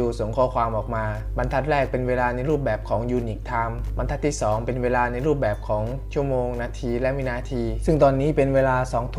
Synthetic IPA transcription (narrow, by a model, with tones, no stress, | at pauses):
uː˧so˩˦ŋkʰɔː˥˩kʰwaː˧mʔɔː˨˩k̚maː˧ | ba˧nt̪ʰa˦˥t̪̚ɾɛː˥˩k̚pe˧nweː˧laː˧na˧jɾuː˥˩p̚bɛː˨˩p̚kʰɔː˩˦ŋjuː˧ni˨˩k̚t̪ʰa˧m | ba˧nt̪ʰa˦˥t̪ʰːiː˥˩sɔː˩˦ŋpe˧nweː˧laː˧na˧jɾuː˥˩p̚bɛː˨˩p̚kʰɔː˩˦ŋ | t͡ɕʰu˥˩əmoː˧ŋnaː˧t̪ʰiː˧lɛ˦˥ʔmiː˦˧˥naː˧t̪ʰiː˧sɯ˥˩ŋt̪ɔː˧nːiː˦˥˩pe˧nweː˧laː˧sɔː˩˦ŋt̪ʰ